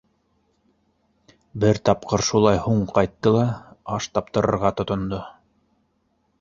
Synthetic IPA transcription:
bɘɾt̪ɑpqɤɾʃulˠɑjhuɴqɑjt̪ːɤlˠɑɑʃt̪ɑp̚t̪ɤ̆ɾɤ̆ɾʁɑt̪ŏt̪ŏnd̪o

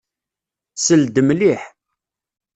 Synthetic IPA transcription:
səld̪əmliħ

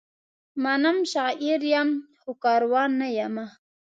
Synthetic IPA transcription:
manamʃɑʔiɾjamxokɑɾwɑnːajama

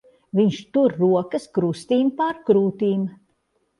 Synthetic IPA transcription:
viɲʃt̪uɾːuɔkɐskɾust̪iːmpaɾkɾuːt̪iːm

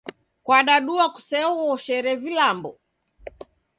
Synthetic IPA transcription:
kwaɗaɗuaku̥sɛɔɔʃɛɾɛvilambɔ

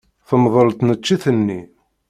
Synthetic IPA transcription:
θəmðˤəlt̪ˤnət͡ʃːiθənːi

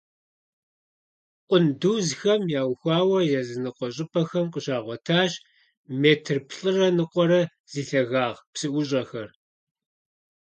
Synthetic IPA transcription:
qʷʼʊnduːzxɐmjaːwxʷɑːwɐjɛzɨnɨqʷɔɕ̬ʼɪpʰʼɐxɐmqəɕaːʁʷɔtʰaːɕ | meːtʰɨrpʰɬʼɨrɐnɨqʷʼɔɾɐ | z̥iːɬɐɣaːʁpsɨʔʷʊɕʼɐxɐr

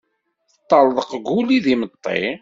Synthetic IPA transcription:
θət̪ˤːɑlðˤəqɡuliðimət̪ˤːḛ

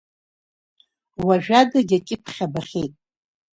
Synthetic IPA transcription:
waʒᶣadaɡʲakʲʼɪpʰχʲabaχʲejtʼ

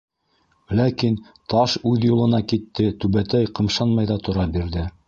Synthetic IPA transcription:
lækin | t̪ɑʃʉðjulˠɤ̆nɑkit̪ːɘt̪ʉβæt̪æjqɤ̆mʃɑnmɑjðɑt̪ŏɾɑbiɾðɘ

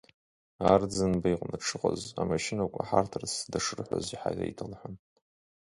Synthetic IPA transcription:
ard͡zɨnbaiqʼnɨʈ͡ʂʰɨqʼazamaʃɪnakʷʼaħartʰɨrsdaʂɨrħʷa̰ziħajra̰itʰalħʷan

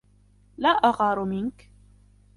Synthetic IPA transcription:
laːʔaɣɑːɾˤʊmɪnk

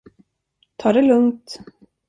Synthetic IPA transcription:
t̪ʰɑːɖɛlɵŋt̪

